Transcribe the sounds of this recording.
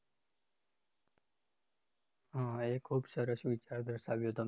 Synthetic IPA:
ɦãːeːkʰuːbsəɾəsʋit͡ʃaːɾd̪əɾsaːʋjot̪əm

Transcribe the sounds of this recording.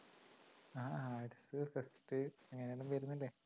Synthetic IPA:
aːaːʈisɨfɐsʈɨeŋːɐnejoɭumʋɐɾunːilːeː

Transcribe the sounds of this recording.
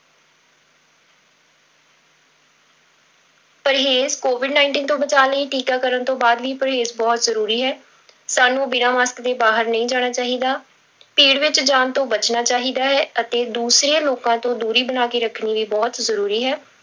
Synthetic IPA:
pəɾɦeːzkoːʋɪɖnaːɪɳʈiːnt̪õːbət͡ʃaːləiːʈiːkaːkəɾənt̪õːbaːd̪ʋiːpəɾɦeːzbɔːt̪zəɾuːɾiːɦɛː | saːnũːbɪnaːmaːskd̪eːbaːɦəɾnəĩːd͡ʒaːɽ̃aːt͡ʃaːɦiːd̪aː | piːɽʋɪt͡ʃd͡ʒaːnt̪õːbət͡ʃnaːt͡ʃaːɦiːd̪aːɦɛːət̪eːd̪uːsɾeːloːkãːt̪õːd̪uːɾiːbənaːkeːɾəkʰniːʋiːbɔːt̪zəɾuːɾiːɦɛː

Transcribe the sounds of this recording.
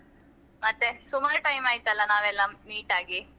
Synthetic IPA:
mɐt̪ːesumaɾʈɐjmaːjit̪ɐlːɐnaːʋɛlːɐmiːʈaːɡi

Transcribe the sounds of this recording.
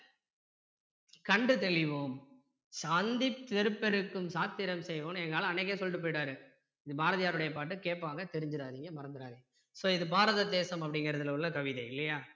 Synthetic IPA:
kɐɳɖɯt̪ɛɭɪʋoːm | saːnd̪ɪpt̪ɛɾɯpːɛɾɯkːɯmsaːt̪ːɪɾɐmsɛjʋoːnɛŋɡɐaːɭ̃ɐnɐɪk̬ːeːsɔlʈːɯpːoːjɪʈaːɾɯ | ɪðɯbaːɾɐðɪjaːɾɯɽɐjɐpaːʈ̬ːɯkeːʈpːaːŋɡɐt̪ɛɾɪɲd͡ʒɪɾaːðɪŋɡɐmɐɾɐnd̪ɪɾaːðɪŋɐ | soːɪðɯbaːɾɐðɐd̪eːsɐmɐp̬ːɐɽɪŋɡɐɾɐðɯlɐʊɭːɐkɐʋɪðɐɪlːɐjaː

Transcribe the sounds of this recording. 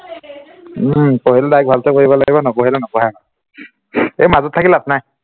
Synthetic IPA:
poɦilɛdajk̚bʱaltɔkoɹibɔlaɡibɔnɔkoɦilɛnɔkɔɦana | ejmazɔt̚tʰːakilatnaj

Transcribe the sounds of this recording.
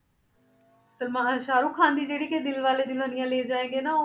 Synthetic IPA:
səlmãːɦaːʃaːɾuːkʰːãːnd̪iːd͡ʒeːɽiːked̪ɪlʋaːleːd̪ɪnənɪjãːleːd͡ʒaːẽːŋɡeːnaː

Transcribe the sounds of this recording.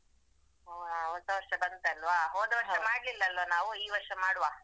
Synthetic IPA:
oːaːɔt̪ːɐʋɐɾʂɐbɐnt̪eɐlʋaːɦoːd̪ɐʋɐɾʂɐɐmaːɽlilːɐɐlʋɐnaːʋuiːʋɐɾʂɐmaːɽuʋaː

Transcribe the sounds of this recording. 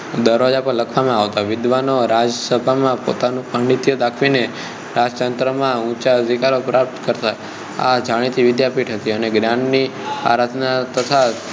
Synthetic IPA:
d̪əɾad͡ʒapə̃ləkʰʋamãaʋt̪aʋɪd̪ʋanoɾad͡ʒsəbʱamãpo̰t̪anũpaɳɖit̪jod̪akʰʋine | ɾad͡ʒt̪ənt̪ɾəmãũt͡ʃaɦəd̪ʱikaɾopɾap̚t̪kəɾt̪aj | a̰d͡ʒaɽ̃it̪ʰiʋɪd̪japiʈɦət̪iəneɡɾjãnːia̰ɾat̪nat̪ət̪ʰa

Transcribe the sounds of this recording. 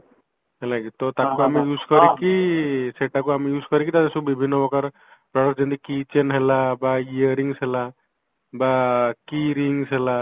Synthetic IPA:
ɦelakit̪ɔt̪akuamijud͡ʒkɔɾikiseʈakuamijuzkɔɾikit̪at̪esubibʱinːɔbɔkaɾ | pɾɔɽɔkd͡ʒɔnt̪ikit͡ʃenɦelabaiəɾiŋsɦela | bakiɾiŋsɦela

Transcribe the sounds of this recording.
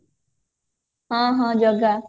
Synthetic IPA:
hãːɦãːd͡ʒəɡa

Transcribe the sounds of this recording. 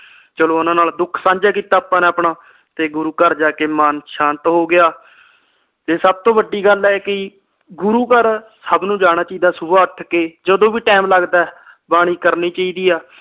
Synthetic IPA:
t͡ʃəloːʊnãːnaːld̪ʊkʰsãːɲd͡ʒaːkiːt̪aːpãːnẽːəpɳaː | t̪eːɡʊɾuːkəɾd͡ʒaːkeːmaːnʃaːnt̪ɦoːɡɪjaː | t̪eːsəb̚t̪õːʋəɖiːɡəlɛːkɪ | ɡʊɾuːkəɾsəbnũːd͡ʒaːɽ̃aːt͡ʃiːd̪aːsʊbaːəʈʰkeːd͡ʒəd̪õːʋiːʈɛːmləɡd̪ɛː | baːɽ̃iːkəɾniːt͡ʃaːiːd̪iːaː

